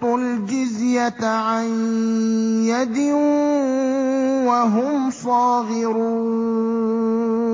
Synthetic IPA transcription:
t̪ˤʊld͡ʒɪzjat̪ʕan | jad̪ɪ | waɦʊmfɑːɣɪɾuː

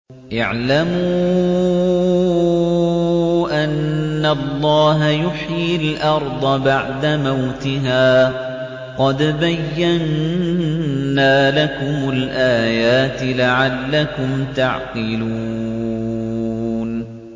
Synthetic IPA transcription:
ʔa̰ʕlamuː | ʔanːalˤːɑːɦajʊħjɪlʔɑɾˤd̪ˤɑbaʕd̪amawt̪ɪɦaː | qɑd̪bajːan | aːlakʊmʊlʔaːjaːt̪ɪlaʕalːakʊmt̪aʕqɨluː | n

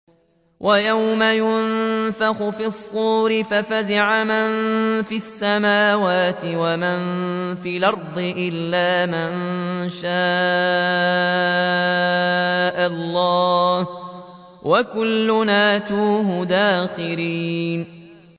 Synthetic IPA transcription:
wʔajawmajʊnfaxʊfisˤːuːɾɪfafazɪʕamanfiasːamaːwaːt̪ɪwamanfiːlʔɑɾˤd̪ˤɨʔɪlːaːmanʃaː | ʔalːɑːh | wʔakʊlːʊnaːt̪uːɦʊd̪aːxɪɾiːn

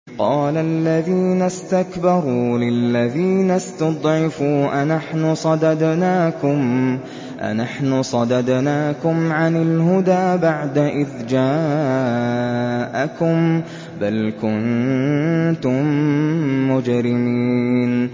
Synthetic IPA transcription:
qɑːlalːaðiːnast̪akbɑɾˤuːlɪlːaðiːnast̪ɑd̪ˤʕɪfuːʔanaħnʊsˤɑd̪ɑd̪naːkʊm | ʔa̰naħnʊsˤɑd̪ɑd̪naːkʊmʕanɪlɦʊd̪aːbaʕd̪aʔɪðd͡ʒaː | ʔakʊm | balkʊn | t̪ʊmː | ʊd͡ʒɾɪmiːn

